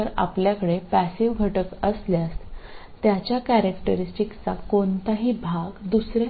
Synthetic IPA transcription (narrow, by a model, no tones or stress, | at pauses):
əɾa̰pljakəɽepæsiʋɡʱəʈəkəsljast̪ | t̪ːjat͡ɕjakæɾəkʈəɾisʈikt͡sakont̪aɦiːbʱaɡd̪usɾa